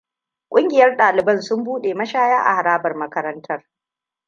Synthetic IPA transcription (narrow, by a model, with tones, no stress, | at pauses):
kʷʼʊ˦ŋɡʲɪ˨jɐ˦rɗaː˨lɪ˨bɐ˦˨nsʊ˦mbuː˦ɗeː˨mɐ˦ʃaː˦jaː˦ʔa̰˨ha˨ɾaː˦bɐ˨rmɐ˦kɐ˦ɾɐ˦ntʰɐ˦r